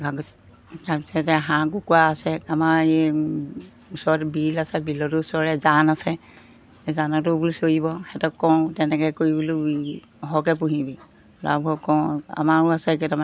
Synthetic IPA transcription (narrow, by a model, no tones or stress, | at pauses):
ɡaɡ | taɹpisɛtɛɦãkukuaːsɛamaɹe | usɔɹɔtbilasɛbilɔtuusɔɹɛzanasɛ | zanɔtʊbulisojibɔxɛtɔkːɔ̃w̃tɛnɛkɛkoɹibulu | ɦɔkɛpuɦibi | la̰bʱɔkɔ̃a̰maɹʊasɛketam